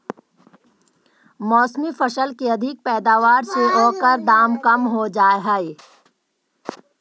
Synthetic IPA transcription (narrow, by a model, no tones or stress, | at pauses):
mɔːsmifɐʃəlkeɐd̪ʱɪk̚pɛːd̪aːʋaːɾseoːkəɾd̪aːmkɐmɦod͡ʒaːɦɛe